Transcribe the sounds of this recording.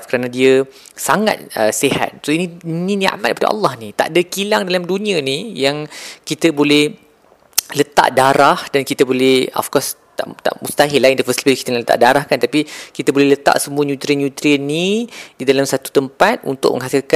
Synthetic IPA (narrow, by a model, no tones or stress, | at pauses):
fkəɾanãdiə | saŋa̰t̪̚əseha̰t̪̚soiniinĩnia̰ʔmat̪̚kəpadaʔɑ̰lːɑhnit̪a̰ʔdakilaŋdalamdunianijaŋkit̪əbolɛh | lət̪a̰ʔdaɾahdankit̪əbolɛhɔ̰fkɔst̪a̰ʔt̪a̰ʔmust̪aɦilaindəfəslibəlkit̪ənalət̪a̰ʔdaɾahkant̪apikit̪abolɛhlət̪a̰ʔsəmuəɲũt̪ɾiənɲut̪ɾiənːididalamsat̪u̥t̪əmpat̪̚ṵnt̪ʊ̰ʔ̚mə̰ŋɦasilka